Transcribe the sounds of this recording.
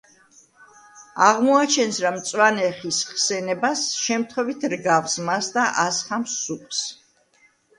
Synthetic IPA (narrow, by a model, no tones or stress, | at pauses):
aʁmɔat͡ʃʰɛnsɾamt̪sʼwanɛχisχsɛnɛbasʃɛmt̪ʰχwɛvit̪ʰɾɡafsmasd̪aʔasχamsːuqʼs